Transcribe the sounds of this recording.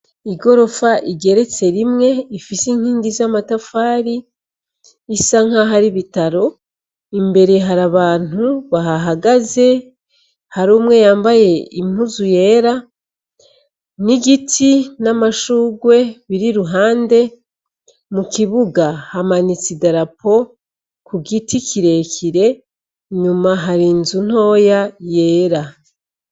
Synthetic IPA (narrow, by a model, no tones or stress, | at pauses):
iɡo̞ɾo̞faʔiɟe̞ɾe̞t͡se̞ɾimŋe̞ifisiŋ̥hiːnɡizamatafaːɾi | saŋ̥aɦaɾiβitaɾo̞ | imbe̞ɾe̞ɦaɾaβaːn̥uβaɦaɦaɡaze̞ | haɾoːmwe̞jaːmbaje̞imuzuje̞ːɾa | niɡitʰinamaʃuːɡwe̞βiɾiɾuɦaːnde̞ | mukiβuɡahamanit͡sidaɾapʰo̞ | kuɡitʰikʰiɾe̞kʰiɾe̞ | ɲumaɦaɾiːnzun̥ho̞ːjaje̞ːɾa